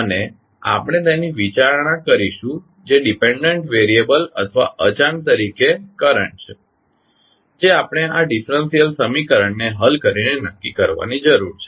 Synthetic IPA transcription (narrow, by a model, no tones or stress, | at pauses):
əne | a̰pɳ̃et̪ẽniʋit͡ʃaɾɳ̃ãkəɾiʃũ | d͡ʒeɖipeɳɖəɳʈʋeɾiebələ̰t̪ʰʋa̰ʔət͡ʃaɳt̪əɾikekəɾə̰ɳʈt͡ʃʰe | d͡ʒeapɽ̃eaɖifɾənsijəlsəmikəɾəɳneɦəlkəɾinenəkːikəɾʋa̰nid͡ʒəɾuɾt͡ʃʰe̥